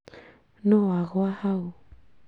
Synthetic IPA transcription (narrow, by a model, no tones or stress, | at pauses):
noaɣoahaw